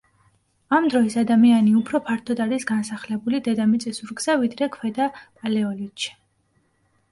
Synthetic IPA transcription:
amd̪ɾɔisad̪amianiupʰɾɔpʰaɾt̪ʰɔd̪aɾisɡansaχlɛbulid̪ɛd̪amit̪sʼisuɾɡz̥avid̪ɾɛkʰwɛd̪apʼalɛɔlit̪ʃi̥

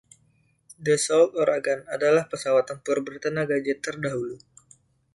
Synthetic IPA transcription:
dəsɔlt̪ɔɾaɡanadalahpəsawat̪ːəmpʊrbərt̪ənaɡad͡ʒət̪ərdaɦulu

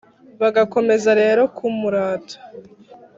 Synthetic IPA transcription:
βaɡako̞me̞zaɾe̞ːɾo̞kʰumuɾaːtʰḁ

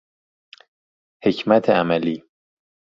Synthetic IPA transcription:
he̞cʰmæt̪ʰeæmæliː

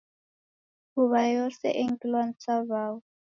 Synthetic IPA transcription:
uβajɔsɛ̰ʔeŋkʼilwan̩t͡saβaːwu

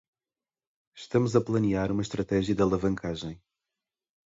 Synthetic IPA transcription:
ʃt̪ɐmuzɐplˠɐniaɾumɐʃt̪ɾɐt̪ɛʒijɐd̪ɐlˠɐvɐ̃ŋkʰaʒẽj̃

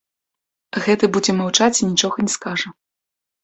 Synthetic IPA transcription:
ɣɛt̪ɨbud͡zʲɛmawt͡ʂat͡sʲinʲit͡ʂɔɣɐnʲɛskaʐɐ

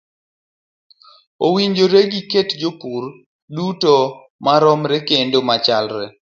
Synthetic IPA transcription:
owiɲd͡ʒoɾeɡiketd͡ʒopur | duto | maɾɔmɾɛkendomat͡ʃalɾɛ

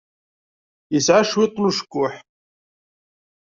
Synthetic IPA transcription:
jəsʕaʃwit̪ˤnuʃə̥kʷːʊħ

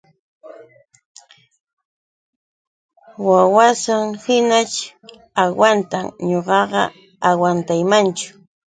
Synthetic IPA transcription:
wawasaŋhɪnat͡ʃ | awant̪amɲoɢɑɢɑ̰ | awant̪ajmant͡ʃʊ̥

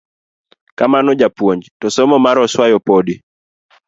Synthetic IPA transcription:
kamanɔd͡ʒapwoɲd͡ʒtɔsɔmɔmaɾɔswajɔpodi

